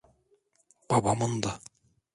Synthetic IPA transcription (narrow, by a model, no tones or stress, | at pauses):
b̥ɑbɑmond̪ɑ